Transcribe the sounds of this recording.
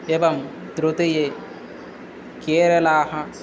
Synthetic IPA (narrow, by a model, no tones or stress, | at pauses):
ebɐm | d̪ɾut̪eje | keːɾɐlaːɦɐ